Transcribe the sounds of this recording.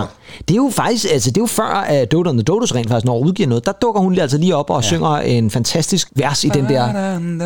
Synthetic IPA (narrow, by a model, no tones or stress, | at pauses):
d̥e̝jo̝fɑ̈ɡ̥d̥isɡ̥ælsəd̥e̝jo̝fɶɐ̰æd̥ɔːdonðəd̥oːɾ̥osʁɛ̰nd̥ɑ̈ɡ̥isnɒuð̞ˠɡ̥ḭːɐ̰nɔ̽ːð̩ˠd̥ɑ̈d̥ɔ̽ɡ̥ɐhunæl̰s̬ɐliːɒ̽b̥ɒ̽søŋ̰ɐe̝nfænt͡sʰæsd̥isɡ̥ʋæɐsid̥end̥ɛɐ̰